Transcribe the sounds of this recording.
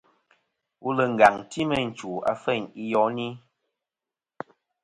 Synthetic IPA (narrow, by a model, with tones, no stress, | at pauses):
u˦lə˨ŋ̩˨ɡa˨ŋti˦mə˦n̩˨t͡ʃu˨a̰˨fɛ˦˨ɲi˦jɔ˦ni˦